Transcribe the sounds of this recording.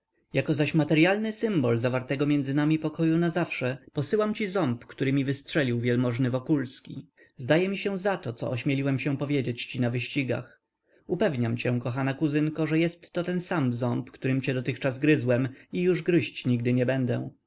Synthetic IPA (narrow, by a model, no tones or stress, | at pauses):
jakɔzaɕmat̪ɛɾjalnɘsɘmbɔlzavaɾt̪ɛɡɔmʲjɛndzɘnamʲipɔkɔjunazafʂɛpɔsɘwamt͡ɕizɔmpkt̪uɾɘmʲivɘstʂɛlʲiwvʲjɛlmɔʐnɘvɔkulskʲi | zd̪ajɛmʲiɕɛ̃zat̪ɔt̪sɔ̰ʔɔɕmʲjelʲiwɛmɕɛ̃pɔvʲjed͡ʑet͡ɕt͡ɕinavɘɕt͡ɕiɡa̰x | upɛvɲamt͡ɕɛ̃kɔxanakuzɘŋkɔʐɛjɛst̪ːɔt̪ɛnsamzɔmpkt̪uɾɘmt͡ɕɛd̪ɔt̪ɘxt͡ʂazɡɾɘzwɛmijuʐɡɾɘɕt͡ɕɲiɡ̚d̪ɘɲɛbɛnd̪ɛ̰̃